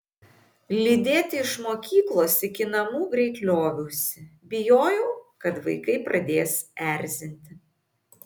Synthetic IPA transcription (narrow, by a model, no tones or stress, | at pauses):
lʲɪd̪ʲeːt̪ʲɪɪʃmoːkʲiːklˠoːsɪkʲɪnɐmuːɡɾʲɛɪklʲoːʋʲuːsʲɪbʲɪjoːjɛʊkɐt̪ʋɐ̰ɪkɐɪpɾɐd̪ʲeːsæˑɾʲˑzʲɪnʲt̪ʲɪ